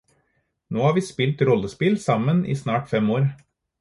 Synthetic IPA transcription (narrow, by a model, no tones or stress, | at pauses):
noːhɑːɾʋiːspɪlt̪ɾɔləspɪlsɑmənʔḭːsnɑːʈfɛmoːɾ